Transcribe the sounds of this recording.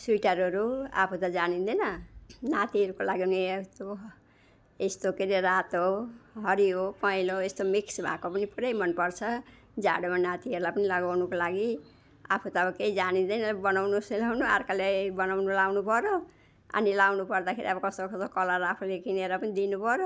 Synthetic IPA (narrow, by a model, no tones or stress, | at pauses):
suʈʌɾɦʌɾua̰pʰut̪ʌd͡zanind̪ʌjnʌnat̪iɦʌɾukolaɡinist̪o | est̪okeɾeɾat̪ɦoɦʌɾiɦopʌiloest̪omiksbʱa̰kopʌnipuɾʌjmʌnpʌrt͡sʰʌ | d͡za̰ɽomannat̪iʌɾulajpʌnilaɡawnukolaɡi | a̰pʰut̪aːbʌkeid͡zanĩnd̪ʌjnʌbʌnawnuselawnuarkalebʌnawnulawnupʌɾo | a̰nilawnupʌrd̪akʰeɾiʌbʌkʌst̪okʌokʌlaɾapʰulekineɾapʌnid̪inupʌɾo